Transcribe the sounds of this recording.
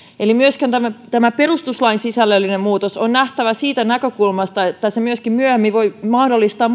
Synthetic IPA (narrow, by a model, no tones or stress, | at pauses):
elimyøskænt̪æmæt̪æmæperust̪uslɑinsisælːølːinemmuːt̪osonnæht̪æʋæsiːt̪ænækøkulmɑst̪ɑet̪ːæsemyøskimmyøhemːiʋoimɑhdolːˑist̪ɑːm